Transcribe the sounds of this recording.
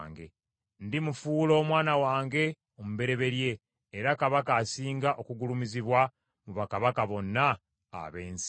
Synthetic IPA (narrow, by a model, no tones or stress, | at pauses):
ŋɡe̞̰ | ndimufuːlo̞ːmwaːnawaːŋɡe̞ | omuβe̞ɾe̞βe̞ɾje̞ː | ɾakaβakaːsiːŋɡaʔo̞kuɡulumiziβwa | muβakaβakaβo̞nːa̰ː | βe̞ːnsi̥